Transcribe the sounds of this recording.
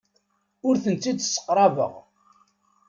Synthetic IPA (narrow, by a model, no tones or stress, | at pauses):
ʊɾθənt͡sːid̪sːə̥qːɾˤɑvə̰ʁ